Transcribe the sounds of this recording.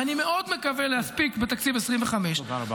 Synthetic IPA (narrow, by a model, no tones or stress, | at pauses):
anime̞ʔo̞d̪mekavelehaspikbet̪akt͡sibeesʁiɱveχameʃ